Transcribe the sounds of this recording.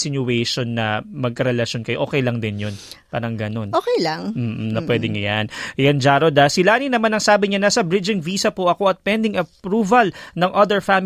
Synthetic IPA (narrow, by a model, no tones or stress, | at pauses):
sɪnʊwɛjʃonːɐ̰mɐɡ̚kɐɾɛlɐʃo̞nkɐjoʔoːkɛjlɐŋd̪ɪnjonpa̰ːɾɐŋɡɐno̞nʔoːkɛjlaŋm̩ːʔ̩nɐpwɛd̪ɪŋɐjanjɐnd͡ʒaːɾod̪asɪlaːninɐmanɐŋsaːbɪɲanasɐbɾɪd͡ʒɪŋviːsɐpoʔɐko̞ɐt̪̚pɛnd̪ɪŋʔɐpɾuvɐlnɐŋʔɐd̪ɛɹfam